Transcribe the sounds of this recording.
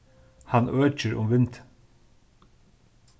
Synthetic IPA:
hanœːt͡ʃəɾʊ̰mʋɪnt̪

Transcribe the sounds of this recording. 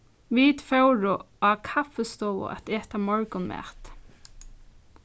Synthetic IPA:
ʋit̪fœwɹʊ | akʰafɛst̪ɔːwʊ̰ʔɛ̰t̪eːt̪amɔɹkʊnmɛ̰ːt̪

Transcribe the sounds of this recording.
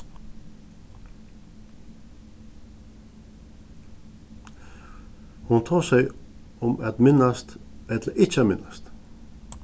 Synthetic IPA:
hʊnt̪ʰɑːsæɪ | ɔmɛt̪mɪnɑst̪ɛd̪əʔɪt͡ʃmɪnast̪

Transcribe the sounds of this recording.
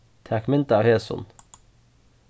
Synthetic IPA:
t̪ʰækmɛnt̪aːʊheːsʊ̰n

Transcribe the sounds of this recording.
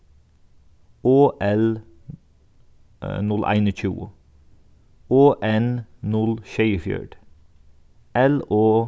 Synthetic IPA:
oːʔɛl | nʉlʔæ̰ɪnəc͡çṵː | oːʔɛnnʉlʃœʏfjø̰ːɖ | ʔɛloː

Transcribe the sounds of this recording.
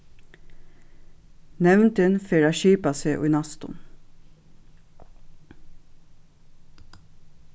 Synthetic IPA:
nɛʋnt̪ənfeːɹaːʃiːpɑseːʔʊ̰ɪnɑst̪ʊ̰n

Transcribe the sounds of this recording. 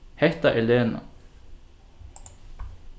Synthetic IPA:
hɛht̪aʔɛleːna̰

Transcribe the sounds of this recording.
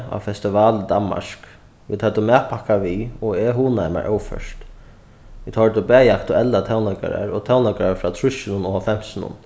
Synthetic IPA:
a̰wfɛst̪ɪʋaːləd̪anma̰ʂk | ʋḭːd̪hœt̪ːʊmɛːpʰakaʋiɔɛɦuːnajma̰ɹʔœ̰wfœ̰ʃt̪ | ɪt̪hɔɹt̪ʊbɛːjakʰt̪ʊɛlːat̪ʰawnaka̰ɾa̰ɹɔt̪ʰawnakaɾafɾaːt̪ʰɹʊʃɪnʊnɔɔfɛm̥sɪnʊ̰n

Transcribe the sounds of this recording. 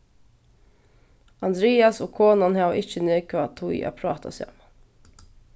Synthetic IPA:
ɑnd̪ɾeːɑsoːkʰoːnɑnhɑʔɪçəneːkʰɑt̪ʰuḭʔɑ̰ːpʰɾɑːt̪ʰɑ̰sjɑ̰m

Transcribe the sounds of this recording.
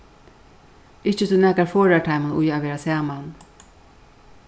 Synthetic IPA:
ɪt͡ʃət̪ʰunɛkaɾfoːɹaʈʰaɪmənʊ̰jaʋeːɾasæːman

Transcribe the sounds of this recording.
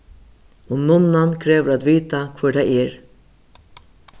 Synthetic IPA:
ɔnʊnːankʰɾeːʋəɾaːt̪ʋiːt̪akʰvɔːdajɛɹ

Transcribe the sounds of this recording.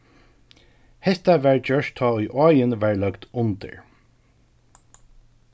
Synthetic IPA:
hɛst̪aʋæːɹd͡ʒœʃt̪ʰɑːujʔɔːjənʋæːɹlœɡt̪ʊnt̪ə̰ɹ

